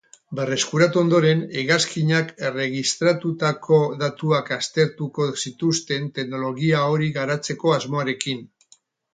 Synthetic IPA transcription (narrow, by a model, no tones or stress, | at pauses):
be̞re̞skuɾat̪uo̞nd̪o̞ɾe̞neɣaskiɲake̞re̞ɣ̞ist̪ɾat̪ut̪akʰo̞ðat̪uakast̪e̞ɾt̪uko̞sit̪ust̪e̞nt̪e̞kno̞lo̞ɣiao̞ɾiɣaɾat͡se̞ko̞azmo̞aɾe̞kin